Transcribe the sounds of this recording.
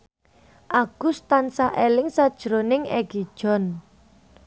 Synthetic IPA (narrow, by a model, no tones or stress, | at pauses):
ʔaɡ̥ʊst̪ansaʔelɪŋsad̥ʒ̥əɾonɪŋɛɡ̥id̥ʒ̥ɔ̤n